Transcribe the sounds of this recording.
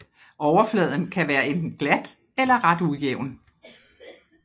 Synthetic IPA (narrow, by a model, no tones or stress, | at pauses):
ʔɒʊɐflɛð̞ˠn̩kʰæʋæːɐend̥n̩ɡ̥læd̥ | elɐʁɑ̈d̥ujeʊ̰n